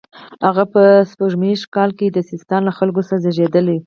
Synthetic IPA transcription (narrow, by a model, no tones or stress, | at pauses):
haɣapəspaʒmeʃkɑlked̪əsɪst̪ɑnlaxalɡosɾazaʒed̪əli